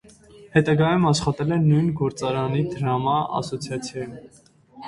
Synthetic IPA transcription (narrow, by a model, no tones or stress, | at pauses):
hɛt̪ɑɡɑjumɑʃχɑt̪ɛlɛnːujnɡɔɾt͡sɑɾɑnid̪əɾɑmɑɑ̰sɔt͡sʰjɑt͡sʰjɑjum